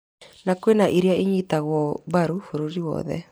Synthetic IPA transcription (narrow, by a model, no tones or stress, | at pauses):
nakwenaʔiɾjaʔeɲitaɣwɔβaɾufoɾoɾiwɔ̰ðɛ̰